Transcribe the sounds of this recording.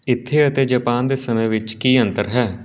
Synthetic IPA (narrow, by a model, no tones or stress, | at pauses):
ɪt̪ʰːeːət̪eːd͡ʒəpaːnd̪eːsəmẽːʋɪt͡ʃkiːənt̪əɾɦɛː